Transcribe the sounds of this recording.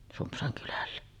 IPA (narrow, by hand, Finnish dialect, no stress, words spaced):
sumpsɑŋ kylælːæ